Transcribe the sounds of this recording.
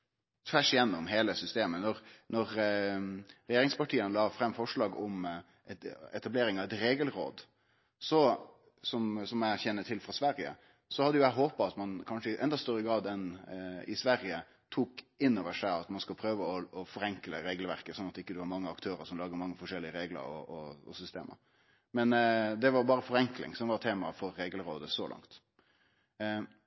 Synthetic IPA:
t̪ʰfæʂɪjɛnːɔmɦeːləsʏst̪eːmənɔɾnɔɾ | ɾɛjeːɾɪŋspɑʈʰiːənlɑːfɾɛmːfɔʂlɑːɡɔm | ɛt̪ɛ̰t̪ɑbleːɾɪŋɑʋɛt̪ɾeːɡəlɾo̰ːd̪ | sɔ | sɔmsɔmæçɛnːət̪ʰɪlfʁɑsʋæɾɪə̰ | sɔhɑd̪ːəjʊæɦoːpɑɑt̪mɑnkʰɑnʂəɪʔɛ̰nd̪ɑst̪œɾəɡɾɑːd̪ɛnɪ̰sʋæɾɪə | t̪ʰuːkɪnːɔʋəʂæɪɑt̪mɑnskʉlpʰɾøːʋəɔɔfɔɾɛŋkləɾeːɡəlʋæɾkəsɔnːɑt̪ɪkːəd̪ɛʋɑɾmɑŋːəɑkt̪ʰøːɾəɾsɔmlɑːɡd̪əɾmɑŋːəfɔʂɛlːɪəɾeːɡlə̰ɾɔ̰ʔɔɔ̰sʏst̪ḛːmʔə̰ɾ | mɛnd̪ɛʋɑɾbɑːɾəfɔɾɛŋklɪ̰ŋsɔmʋɑɾt̪ʰeːmɑ̰fɔɾːeːɡəlɾoːd̪əsɔlʔɑ̰ŋt̪

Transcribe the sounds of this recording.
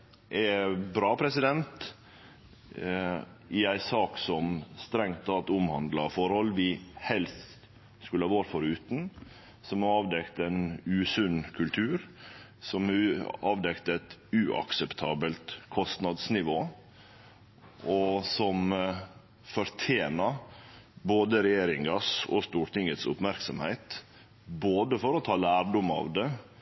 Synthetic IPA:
ʔɛbɾɑːpʰɾɛsɪd̪ɛnt̪ | ɪæɪsɑːksɔmst̪ɾɛŋt̪ɑt̪ʊmhɑnd̪lɑfɔɾhɔlːʋɪhɛlst̪t̪ | skʉlːəɑʋoːɾfɔɾʉːt̪n̩ | sɔmɑɑːʋd̪ɛkt̪æɪnʉːsʉnkʰʉlt̪ʰʉːɾ | sɔmɑːʋd̪ɛkt̪əɛt̪ʉʔɑ̰ksɛpt̪ʰɑːbəlt̪kʰɔst̪nɑd̪snɪʋoː | ʔɔsɔm | fɔɾt̪ʰjeːnɑ | boːd̪əɾɛjeːɾɪŋɑsɔ̰st̪uːɾʈ̪ɪŋət̪sʊ̰pmæɾksɔmhæɪt̪ | boːd̪əfɔɾɔt̪ʰɑːlæːɾɖʊmɑ̰ːʋd̪ɛ

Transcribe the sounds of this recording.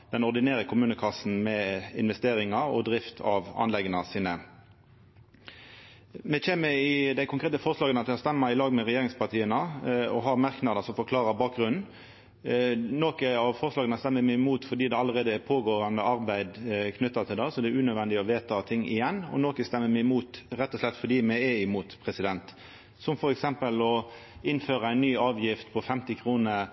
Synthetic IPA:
d̪̥ɛnɔʁd̪ɪneːɾəkʰʊmʉːnəkʰɑsn̩mɛɪ̰nʋɛst̪eːɾɪŋɑɾɔ̰d̪ʁɪft̪ʰɑʋɑ̰nlɛɡənəsiːnə | mɛçeːməɪd̪æɪkʰʊŋkʰʁeːt̪əfɔɾslɑːɡənɑt̪̚d̪ɛhɑst̪ɛmːɑɪlɑːɡmɛʁɛjeːɾɪŋspʰɑʁt̪ʰiːənəɔ̰ɦɑɾmɑʁknɑd̪əsɔmfɔkʰlɑːʁɑbɑːk̚ɡɾʉnn̩ | noːkəɑʋfɔɾslɑːɡənəst̪ɛmːəɾmæɪɪmuːt̪fɔd̪iːd̪ɛɑləɾeːd̪əɛpʰoːɡoːɾɑnd̪əɑɾbæɪd̪kʰnʏt̪ːɑt̪ʰɪld̪ɑsɔd̪ɛʉːnœd̪ʋɛnd̪ɪɔʋeːt̪ʰɑt̪ʰɪŋːɪ̰jɛnːɔ̰noːkəst̪ɛmːəmæɪmuːt̪ɾɛt̪ːɔslɛt̪ːfɔɖ̪iːmæɪɛɪmuːt̪pʰɾɛsɪd̪ɛnt̪ | sɔmfɔɾɛksɛmpəlɔ | ɪnføːɾəæɪnːyːɑːʋjɪft̪pʰɔfɛmt̪ɪkʰɾuːnə

